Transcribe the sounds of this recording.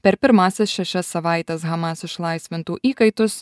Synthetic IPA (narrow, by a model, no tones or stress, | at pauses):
pʲɛɾpʲɪɾmɑːsʲɪsʃʲɛʃʲɛsːɐʋɑɪt̪ʲɛsɣɑmɑsɪʃlˠɐɪsʲʋʲɪnt̪uːʔiːkɐɪt̪ʊs